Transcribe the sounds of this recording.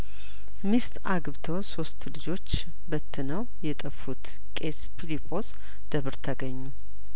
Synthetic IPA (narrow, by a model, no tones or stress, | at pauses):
mist̪aɡβt̪ʰoso̞st̪lɨd͡ʒo̞t͡ʃː | bət̪ʰːɨnəw | jɛt̪ʼəfːut̪ | kʼespʰilipʰo̞s | d̪̥əβɾt̪ʰəɡəɲːu